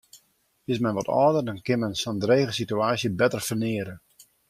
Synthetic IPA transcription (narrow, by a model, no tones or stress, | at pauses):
ɪsmɛnʋɔtɔːdərdɔnkɪnmɛnsɔndreːɣəsityaːsjəbɛtərfərnɪəɾə